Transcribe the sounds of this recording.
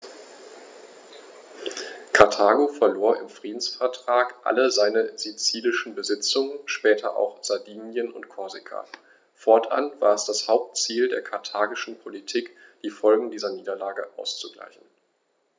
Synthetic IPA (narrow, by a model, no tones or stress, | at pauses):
kʰaɐtʰaːɡofɛɐloːɐʔɪ̰mfʁ̥iːdn̩sfɛɐtʁ̥aːkʔa̰ləzaɪnəzit͡siːlɪʃn̩bəzɪt͡sʊŋənʃpɛːtʰɐ̰ʔa̰ʊxz̥aɐdiːnjənʊ̰ntkʰɔɐzɪkʰa̰ | fɔɐtʔa̰nv̥aːɐɛsd̥ashaʊp̚tt͡siːldeːɐkʰaɐtʰaːɡɪʃn̩pʰolitʰiːkd̥iːfɔlɡŋ̩diːzɐniːdɐlaːɡəʔa̰ʊst͡suɡla̰ɪçn̩